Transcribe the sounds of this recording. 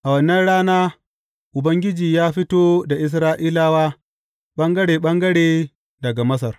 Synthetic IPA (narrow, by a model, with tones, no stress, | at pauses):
ʔa˨wɐ˦nːɐ˦nɽaː˦naː˦ | ʔʊ˨bɐ˦ŋɡʲɪ˦d͡ʒiː˨jaː˦ɸi˦toː˦da˨ʔɪ˦s̬ɾaː˦ʔiː˦laː˦waː˦ | ɓɐ˦ŋɡɐ˦ɽeː˨ɓɐ˦ŋɡɐ˦ɽeː˨ | dɐ˨ɡa˨mɐ˦s̬ɐ˨r